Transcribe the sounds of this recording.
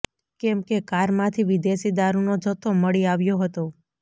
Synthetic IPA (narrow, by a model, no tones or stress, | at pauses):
kɛmkekaɾmãt̪ʰiʋid̪eʃid̪aɾunod͡ʒʱət̪ʰːoməɭiaʋjoɦət̪o